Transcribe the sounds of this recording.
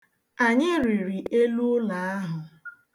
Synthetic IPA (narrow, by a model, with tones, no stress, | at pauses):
a˨ɲɪ˦ɾi˨ɾi˨ʔe˦lu˦ʊ˦la˨˦a˦ɦʊ˨